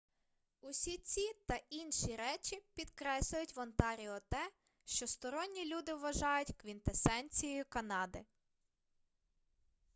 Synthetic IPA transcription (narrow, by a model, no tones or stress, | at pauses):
ʊsʲit͡sʲit̪ɐinʃiɾɛt͡ʃipʲid̪kɾɛslʲʊjʊtʲʋɔnt̪ɑɾʲiɔt̪ɛ | ʃt͡ʃɔst̪ɔɾɔnʲːilʲud̪ɪʋːɐʒɑjʊtʲkʋʲint̪esɛnʲt͡sʲijɔjʊkɐnɑd̪ɪ